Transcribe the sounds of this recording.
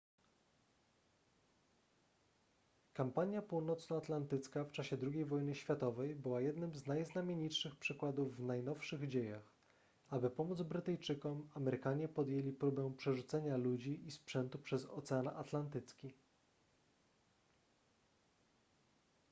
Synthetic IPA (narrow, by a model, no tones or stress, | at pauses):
kampaɲjapuwnɔt̪snɔat̪lant̪ɘt̪skaft͡ʂaɕɛd̪ɾuɡʲejvɔjnɘɕfʲjat̪ɔvɛjbɘwajɛd̪nɘmznajznamʲjeɲitʂɘxpʂɘkwad̪uvːnajnɔfʂɘɣd͡ʑejax | abɘpɔmud̪zbɾɘt̪ɛjt͡ʂɘkɔmamɛɾɘkaɲɛpɔd̪jelʲipɾubɛ̃w̃pʂɛʐut̪sɛɲalud͡ʑiispʂɛnt̪upʂɛzɔ̰t̪sɛana̰t̪lant̪ɘt̪skʲi